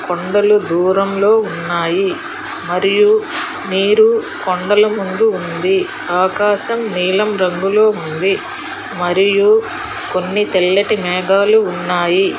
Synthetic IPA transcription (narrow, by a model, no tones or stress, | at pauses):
koɳɖɐlud̪uːɾɐmlo̞ːunːaːji | mɐɾiju | miːɾukoɳɖɐlɐmund̪uːnd̪i | aːkaːʃɐmniːlɐmɾɐŋɡuloːund̪i | mɐɾiju | ko̞nːit̪ɛlːɐʈimɛːɡaːluːnːaːji